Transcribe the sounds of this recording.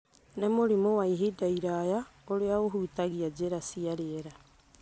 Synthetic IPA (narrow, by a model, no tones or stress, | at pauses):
nemoɾimowaiɦidaiɾajaoɾeaoɦuːtaɣiad͡ʑeɾasiaɾeeɾa